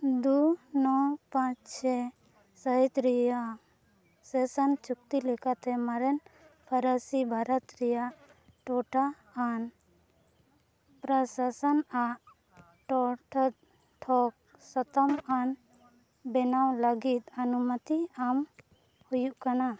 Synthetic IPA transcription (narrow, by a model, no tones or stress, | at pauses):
d̪unɔpãt͡ʃsɛ | səɦit̪ɾɛjaʔ | sɛsənt͡ʃuk̚t̪ilɛkat̪ɛmaɾɛn | pʰəɾəsibʱaɾət̪ɾɛjaʔ | ʈɔʈaː | n | pɾəsasənaʔ | ʈɔʈʰət̪̚ | ʈʰɔk̚ | sɔt̪ɔman | bɛnawləɡit̪̚ənumət̪iam | hujuʔkana